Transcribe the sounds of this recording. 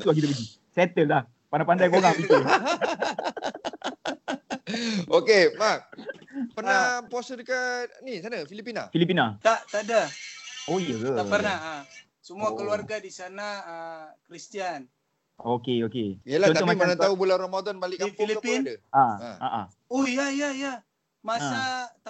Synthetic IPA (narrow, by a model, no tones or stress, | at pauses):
t̪uak̬it̪upiɡi | sɛt̪əllah | panapandajpoɡapit̪u | okemak̚pərnapɔsədukanisanafilipinafilip̬inat̪aʔt̪adaoijaɡəapərnaa | səmuakəluarɡadisanaəkɾist̪ian | okeokeiəlah̪amaimənat̪aubulanromad̪ɔnbalɪʔkːafŋlikapidəaa̰aʔa̰ | ojaijaja | masat̪a